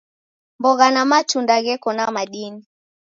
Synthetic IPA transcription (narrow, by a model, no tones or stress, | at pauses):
mbɔɣanamat͡ʃundaɣɛkɔnamaɗini